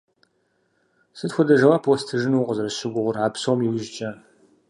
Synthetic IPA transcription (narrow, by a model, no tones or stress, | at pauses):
sɨtxʷʊdɐʒɐwɐpʰostʰɨʒɪnuːqəzɐɾɐɕɪɡʷʊʁʷʊraːpsomjɪwɪʒt͡ʃʼɐ